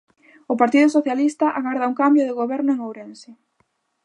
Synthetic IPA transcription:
ʊpaɾt̪iðʊsoθjalist̪ɐʔaɣaɾðɐuŋkambjʊðɪɣoβɛɾnʊeŋowɾensɪ

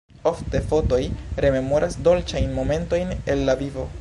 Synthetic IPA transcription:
o̞fte̞fo̞to̞jɾe̞me̞mo̞ɾʔasdo̞lt͡ʃajnmo̞me̞nto̞jne̞lːavivo̞

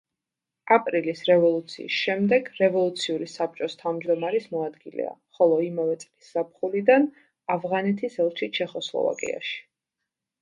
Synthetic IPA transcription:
apʼɾilisɾɛvɔlˠut̪sʰiːsʃɛmd̪ɛɡɾɛvɔlˠut̪sʰiuɾisap̚t͡ʃʼɔst̪ʰavmd͡ʒd̪ɔmaɾismɔad̪ɡilɛ̰a̰χɔlˠɔimavɛt̪sʼlisz̥ap̚χulid̪an | avʁanɛt̪ʰisɛlˠt͡ʃʰit͡ʃʰɛχɔslˠɔ̰va̰kʼḭa̰ʃi̥

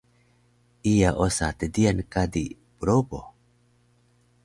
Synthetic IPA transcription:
ijaʔosat̪ed̪iankad̪i | pɾobo̰

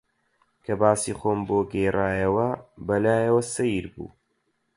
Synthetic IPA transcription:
kʰɐbaːsiχoːmboːɡɐjraːjɐwɐbɐlaːjɐwɐsɐjiɾbṵː

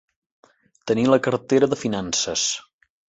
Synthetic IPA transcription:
t̪əniləkəɾt̪eɾəðəfinansəs

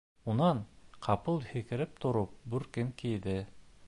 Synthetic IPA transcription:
unɑnqʰɑpɤlˠhɘ̆kɘ̆ɾɘp̚t̪ʰŏɾop̚bʉɾkɘŋkijd̪ɘ

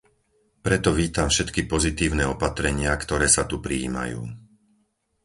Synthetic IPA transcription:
pɾɛt̪ɔʋiːt̪amfʃɛt̪kipɔzit̪iːʊnɛːɔpat̪ɾɛɲɪakt̪ɔɾɛːsat̪upɾiːma̰jṵː

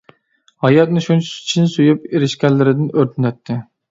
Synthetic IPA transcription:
hɑjɑt̪̚nɪʃunt͡ʃʰt͡ʃʰinɪsujup̚eɾɪʃkʲɛnlːɪɾɪd̪ɪnøɾt̪ʰɪnɛt̪ʰːɪ

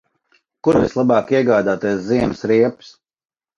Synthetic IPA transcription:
kuɾvḭslˠabɑːkiɛɡaːd̪aːt̪ɛsziɛmsɾiɛps

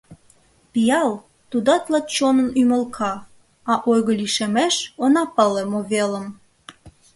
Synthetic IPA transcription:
pijɑl | t̪ud̪ɑt̪lɑt̪t͡ɕonənyməlkʰɑ | ɑʔojɣə̆liʃemeʃonɑpəlemoβeləm

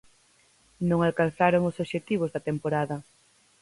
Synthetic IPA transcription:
nõŋalkanθaɾoŋʊsoʃet̪iβ̞ʊzðɐt̪empoɾaðɐ

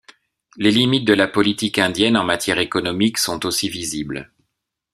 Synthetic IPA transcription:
lelimit̪̚d̪əlapɔlit̪ikɛ̃d̪jɛnɑ̃mat̪jɛʁekɔnɔmiksɔ̃t̪osivizibl

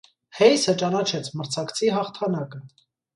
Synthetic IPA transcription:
hɛjsət͡ʃɑnɑt͡ʃʰɛt͡sʰməɾt͡sʰɑkt͡sʰiɦɑχt̪ʰɑnɑkə

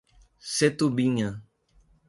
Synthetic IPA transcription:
set̪ubiɲã

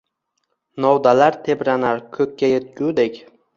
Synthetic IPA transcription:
nɒwd̪alaɾt̪ʰe̞bɾanaɾkʰɵkʲːajet̪̚ɡʲud̪ekʲ

